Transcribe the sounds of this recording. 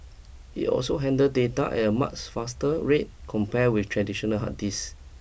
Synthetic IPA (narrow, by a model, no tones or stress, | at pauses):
ḭʔɔ̰lsoɦɛ̃ndədeta̰ʔɛ̰təma̰t͡ʃfastəɹet̚kʰɔ̃mpɛwiftʰɹɛdiʃɔnəlɦa̰tis